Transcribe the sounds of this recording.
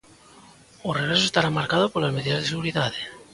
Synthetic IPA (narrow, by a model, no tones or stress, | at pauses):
oreɾesost̪aɾamaɾkaðopolazme̞ðiðazðeseɣuɾiðaðe